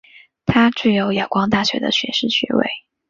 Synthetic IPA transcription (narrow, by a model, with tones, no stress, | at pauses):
t̪ʰa˥ʈ͡ʂ̩˥˩jo˧˥ʊja˨˩kwɑ˥ŋt̪a˥˩ɕɥɛ̰˧˥d̪ə̰˧ɕɥɛ̰˧˥ʂɻ̩˥˩ɕɥɛ̰˧˥wḛ˥˩ɪ